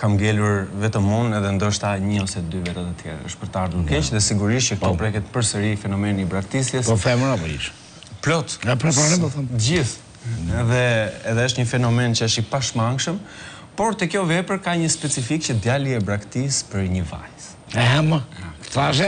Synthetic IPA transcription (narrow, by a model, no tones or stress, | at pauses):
kamɡɛluɾvɛt̪əmunɛðɛnd̪ɔʃt̪aɲəɔsɛd̪yvɛt̪ɛt̪ət̪jɛ̰ɾ̰ə̰ʃpəɾt̪aɾd̪ukɛt͡ʃðɛsiɡuɾiʃ̬ək̚t̪ɔpɾɛkɛt̪pəɾsəɾifɛnɔmɛnibɾakt̪isjɛsɔθɛmnɔpḭʃ | plɔt̪ɛpɾɛpɾɔnɛpɔθɛmd͡ʑiθ | ɛðɛɛðɛəʃt̪ɲəfɛnɔmɛnt͡ɕəəʃipaʃmaŋɡʃəm | pɔɾt̪ɛkjɔvɛpəɾkaɲəspɛt͡sifik̚t͡ɕəd̪jaliɛbɾakt̪ispəɾɲəva̰js | ɛɛməkt̪aʒɛ